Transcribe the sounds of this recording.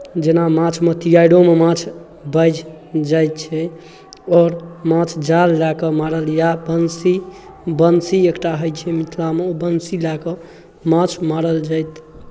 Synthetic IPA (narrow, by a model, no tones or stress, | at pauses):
d͡ʒenamãt͡ʃʰmet̪ʰijaiɽomemãt͡ʃʰ | bəjd͡ʒ | d͡ʒajt̪̚t͡ʃʰɛ | ɔːɾmãt͡ʃʰd͡ʒalːakɔmaɾəljabənsi | bənsiekʈaɦəjt͡ʃʰɛmit̪ʰlameobənsilakɔ | mãt͡ʃʰmaɾəld͡ʒajt̪